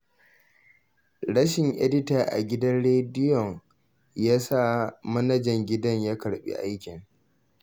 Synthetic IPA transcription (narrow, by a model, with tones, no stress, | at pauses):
ɽɐ˦ʃɪ˨ŋʔɛ̰˦dɪ˦ta˨ʔa̰˨ɡʲɪ˦dɐ˦nɽeː˦dɪ˦jɔ˨ŋ | jaː˦sa˦mɐ˦nɐ˦d͡ʒɛ˨ŋɡʲɪ˦dɐ˦ɲjaː˦kɐ˨ɽɓḭ˦ʔa˦jkʲɪ˨ŋ